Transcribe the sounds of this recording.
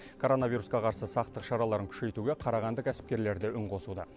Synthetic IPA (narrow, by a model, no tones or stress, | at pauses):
kʰo̞ɾo̞navijɾusqɑqʰɑɾsəsɑq̚t̪əqʃɑɾɑlˠɑɾəŋkʲʰʏ̥ʃe̞jt̪uɡʲe̞qʰɑɾɑʁɑnd̪əkʲʰæsɪ̥p̚kʲe̞ɾle̞ɾd̪ɪʔʏɴqʰo̞sud̪ə̰